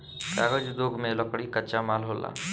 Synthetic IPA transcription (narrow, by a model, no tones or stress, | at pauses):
kaːɡəd͡ʒd̪oːɡʱmẽləkɽikət͡ʃamaːlɦola̰ː